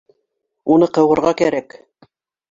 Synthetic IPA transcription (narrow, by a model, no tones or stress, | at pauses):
unɤqɤ̆wɤ̆ɾʁɑkæɾæk